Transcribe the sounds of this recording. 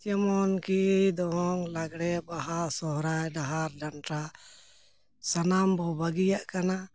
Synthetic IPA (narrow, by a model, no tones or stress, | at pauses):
t͡ʃɛmɔnkiʔd̪ɔŋlaɡɽɛbaɦasɔɦɾajɖaɦaɾdanʈɾa | sanambɔbaɡijaʔkana